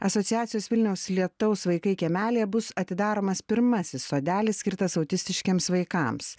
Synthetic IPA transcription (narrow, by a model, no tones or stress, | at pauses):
ɐsoɔt̪sʲɪjæːt̪ʲɪjoːsʋʲɪlʲnʲɛʊslʲiɛt̪ɐʊsʋɐɪkɐɪkʲɛmʲæːlʲejɛbʊsɐt̪ʲɪd̪ɑːɾoːmɐspʲɪɾmɐsʲɪsːoːd̪ʲæːlʲɪssʲkʲɪɾt̪ɐsɐʊt̪ʲɪsʲt̪ʲɪʃʲkʲeɛmsʋɐɪkɑˑms